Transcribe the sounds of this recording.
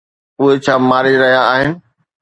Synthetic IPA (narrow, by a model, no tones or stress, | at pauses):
ʊɦet͡ɕʰaːmaːɾɪɾɐɦijaːɦɪnɪ̆